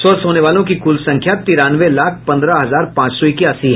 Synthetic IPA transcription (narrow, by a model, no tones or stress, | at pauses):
sɔːsɦoːneʋaːlõkikʊlsɐ̃ŋkʰjat̪iɾãːnʋelaːkʰpɐ̃nd̪ɾaɦɐzaːɾpãːt͡ʃsɔikiɐsiɦ